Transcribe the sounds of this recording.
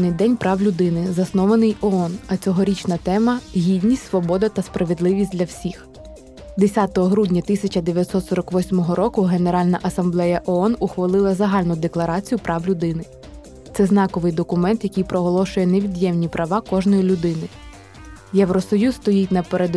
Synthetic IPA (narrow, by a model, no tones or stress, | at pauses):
nɪjd̪ɛnʲpɾʔɑwlʲʊd̪ɪnɪzɐsnɔʋɐnɪjɔɔnɐt͡sʲɔɦɔɾʲit͡ʃnɐt̪ɛmɐɦʲid̪ʲnʲisʲtʲsʋɔbɔd̪ɐt̪ɐspɾɐʋʲed̪lˠɪʋʲisʲtʲdʲlʲɐwsʲix | d̪esʲɑt̪ɔɦɔɦɾudʲnʲɐt̪ɪsʲɐt͡ʃɐd̪eʋʲjɐt̪sɔt̪sɔɾɐkʋɔsʲmɔɦɔɾɔkʊɦe̞neɾɑlʲnɐʔɐsɐmblˠɛjɐʔɔɔnʊxʋɐlˠɪlˠɐzɐɦɑlʲnʊd̪eklˠɐɾɑt͡sʲijʊpɾɑwlʲʊd̪ɪnɪ | t̪sɛzn̪ɑkɔʋɪjd̪ɔkʊmɛnt̪jɐkʲijpɾɔɦɔlˠɔʃʊjɛneʋʲid̪jɛmnʲipɾʔɐʋɑkɔʒnɔjilʲʊd̪ɪnɪ | jɛʋɾɔsɔjuzt̪ɔjitʲnɐpeɾed̪